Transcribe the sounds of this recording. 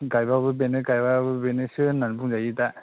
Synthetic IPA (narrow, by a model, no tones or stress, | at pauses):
ɡajbabɯbenɯkajbabɯbenesɯnanpʰuŋzajita